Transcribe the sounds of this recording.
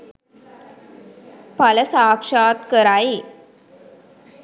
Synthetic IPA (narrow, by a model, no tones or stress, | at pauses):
paləsaːkʂaːt̪kəɾaːe